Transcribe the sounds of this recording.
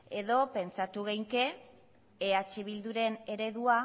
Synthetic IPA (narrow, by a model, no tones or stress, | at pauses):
e̞ðo̞pe̞nt͡sat̪uɣejŋke̞ː | at͡ʃeβ̞ild̪uɾe̞ne̞ɾe̞ðua